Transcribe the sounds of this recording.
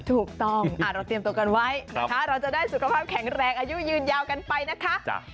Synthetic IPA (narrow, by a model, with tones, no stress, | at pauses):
t̪ʰuː˨˩k̚t̪ɔ˥˩ŋʔaː˨˩t̪ɾa˧t̪i˧mt̪u˧ə˧ka˧nwa˦˥jnaa˦˧kʰa˦˥ɾa˧wt͡ɕa˨˩daː˥˩jsu˨˩kʰa˧pʰaː˥˩p̚kʰɛ˩˦ŋɾɛː˧ŋʔaː˧ju˦˥jɯː˧njaː˧wka˧npa˧jna˦˥kʰa˦˥ʔ